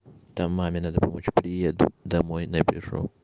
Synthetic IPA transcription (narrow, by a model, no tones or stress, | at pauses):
t̪amːamʲɪnad̪əpɐmot͡ɕpɾʲɪjed̪ʊd̪ɐmojnɐbʲɪʐṵ